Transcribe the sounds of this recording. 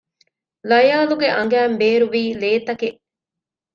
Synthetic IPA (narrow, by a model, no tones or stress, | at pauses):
lɐjaːluɡeʔɐŋ̆ɡæːmbeːɾuʋiːleːt̪ɐkeʔ